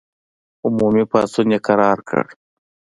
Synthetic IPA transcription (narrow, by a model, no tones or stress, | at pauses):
ʊmuːmipa̰ːst̪uneqɐɾaːɾkə̰ɽ